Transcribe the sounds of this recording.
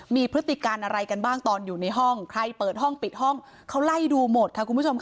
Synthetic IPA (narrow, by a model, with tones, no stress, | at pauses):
miː˧pʰɾɯ˦˥t̪ːi˨˩kaː˧nʔa˧ɾa˧jka˧nbaː˥˩ŋt̪ɔː˧njuː˨˩na˧jɦɔ˥˩ŋkʰɾa˧jpɤː˨˩t̪̚ɦɔ˥˩ŋpi˨˩t̪̚hɔ˥˩ŋ | kʰa˦˥wla˥˩jduː˧mo˨˩t̪̚ʰa˦˥kʰu˧mʰbu˥˩o˧mk